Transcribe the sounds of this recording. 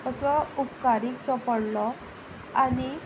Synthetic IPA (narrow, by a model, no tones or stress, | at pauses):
əsɔupkaɾiːksɔpəɽlɔ | ani